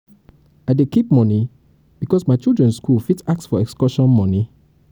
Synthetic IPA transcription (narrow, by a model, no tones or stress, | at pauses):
aɪdekip̚mɔni | b̥ikɔsmaɪt͡ʃilˠdɹɛ̃nskulfitak̚tsfɔɛkskɔʃɔ̃nmɔ̃ni